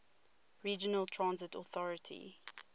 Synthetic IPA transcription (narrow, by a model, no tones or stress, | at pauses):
ɹiːd͡ʒənəlˠtʰɹãnzɪtɔθɔɹɪtʰḭ